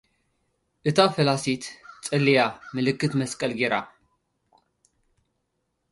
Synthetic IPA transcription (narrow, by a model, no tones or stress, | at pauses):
ʔɨt̪ʰafɐlasit̪t͡sʼɨlːijamɨlɨkːɨt̪mɐskʼɐlɡeɾa̰